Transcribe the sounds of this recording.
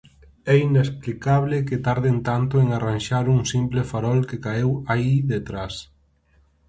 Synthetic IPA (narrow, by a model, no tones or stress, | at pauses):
ɛinesplikaβlɪkɪt̪aɾðent̪ant̪ʊeŋaranʃaɾuŋsimplefaɾɔlkekaewaiðet̪ɾas